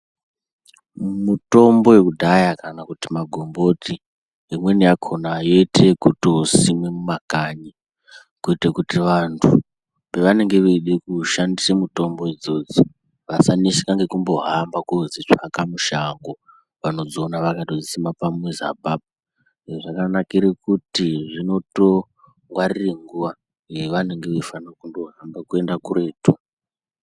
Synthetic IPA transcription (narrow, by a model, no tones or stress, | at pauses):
muto̞mbo̞jekudʱajakanakutimaɡʱo̞mbo̞ti | imwe̞nijakʰonajo̞ite̞kutosimwe̞mumakaɲi | kuitekutiʋantʰu | pe̞ʋane̞ŋɡe̞ʋeɗekuʃandisemuto̞mbo̞ed͡zo̞d͡zo | ʋasanisi̥kaŋɡe̞kumbo̞ɦambakuzit͡ʂakamuʃaŋɡo̞ | ʋano̞d͡zoːnaʋakatod͡zisimapamweza̰bʱab̚a | ʐakanakiɾekutiʐino̞to̞ | ŋɡwarireŋɡuʋa | ŋɡeʋaneŋɡe̞ʋefanirokundo̞ɦambakue̞ndakure̞ːtu